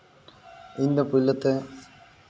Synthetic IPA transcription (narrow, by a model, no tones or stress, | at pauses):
ɪnd̪ɐpʊlːɐt̪ːɐ